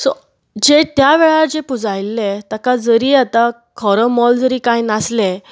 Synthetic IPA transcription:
sɔ | d͡ʑet̪jaʋeɭaɾd͡zepud͡zajlːet̪jakad͡zəɾiːat̪a | kʰɔɾəmɔld͡zəɾiːkajnasle

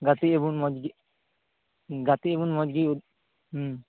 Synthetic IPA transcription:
ɡat̪iebunmɔd͡ʒɡi | ɡat̪iebunmɔd͡ʒɡiud̪

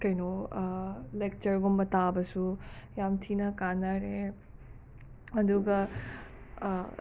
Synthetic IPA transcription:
kɐjno | lek̚t͡ʃɐɾɡombɐt̪abɐsujamtʰinɐkanaɾe | ɐd̪uɡɐ

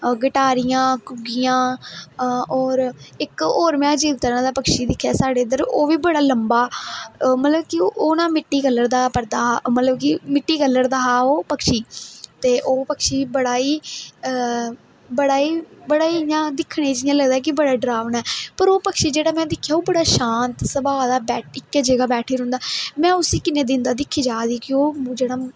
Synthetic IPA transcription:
ɡɪʈaːɾɪjãːkʊɡijãː | ɔːɾɪkoːɾmjãːd͡ʒiːʋt̪əɾãːd̪aːpəkʃiːd̪ɪkʰːɛːsaːɖeːnd̪əɾoːʋiːbəɽaːləmbaː | mət̪ləbkɪʔoːnaːmɪʈːiːkəlːəɾd̪aːpəɾd̪aːmət̪ləbkɪmɪʈːiːkəlːəɾd̪aːɦaːoːpəkʃiːt̪eːʔoːpəkʃiːbəɽaːiː | bəɽaːiːbəɽaːiːjãːd̪ɪkʰːɽ̃eːd͡ʒɪjãːləɡd̪aːk̬ɪbəɽaːɖɾaːʋənɛːpəɾoːpəkʃiːd͡ʒeːɽaːmɛ̃ːd̪ɪkʰːjaːoːbəɽaːʃãːnt̪səbaːd̪aːbɛːʈɪkːd͡ʒəɡaːbɛːʈʰiːɾʊ̃ːnd̪aːmɛ̃ːʊsiːkɪnẽːd̪ɪ̃nd̪aːd̪ɪkʰːiːd͡ʒaːd̪iːkɪoːd͡ʒeːɽaː

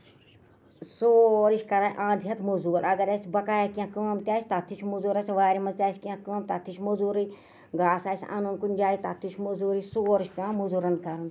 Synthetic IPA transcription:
soːɾiʃʲkɐɾaʔãːd̪ʱijɐt̪mozuːɾɐɡɐɾɐsʲbɐkaːjakʲãːkəːmt̪ʲaːsʲt̪at̪ʰut͡ʃʰmuzuːɾɐsʲʋaːɾimɐnzt̪ʲjaːsʲkiãkəːmt̪at̪ʰːiʃʰmozuːɾɨ | ɡaːsaːsʲa̰nonkunʲd͡ʒaːit̪at̪ʰːuʃʰmozuːɾisoːɾiʃʲpʲãːmuzuːɾɐnkɐɾɐn

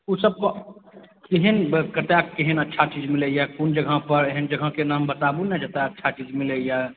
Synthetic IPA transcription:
usəb̚ko | kiɦenkət̪akkiɦenətːʃʰat͡ʃiːd͡ʒmɪlejakund͡ʒəɡʱəpəɾɦənd͡ʒəɡʱəkenaːmbət̪aːbunɛd͡ʒət̪aətːʃʰat͡ʃiːd͡ʒmɪleja

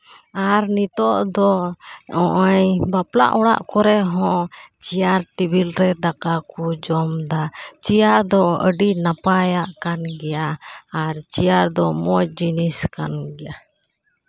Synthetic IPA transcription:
aɾnit̪ɔʔd̪ɔɔʔajbapla̰ʔɔɽa̰ʔkɔɾɛɦɔ̃t͡ʃijaɾʈibilɾɛd̪akakud͡ʒɔmd̪at͡ʃijaɾd̪ɔəɖinapajaʔkanɡɛjaːɾt͡ʃijaɾd̪ɔmɔjd͡ʒiniska̰nɡɛja

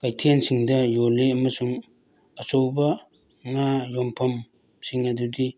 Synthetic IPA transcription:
kajtʰensiŋdɐjoleɐmɐsuŋ | ɐsowbɐ | ŋajompʰɐm | siŋɐdudi

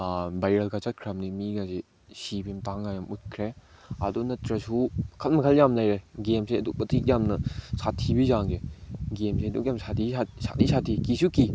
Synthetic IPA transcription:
bajɾɐlɡat͡ʃat̚kʰɾamnimiɡasi | sibimtaŋajamut̚kʰɾeɐ̰dunɐt̪ɾɐsukʰɐlmɐkʰɐljamnajɾeɡemseɐduk̚pɐtʰik̚jamnɐsatʰːibizaŋɡeɡemsedukjamsatʰiasa̰tisʰat̪ʰikisuki

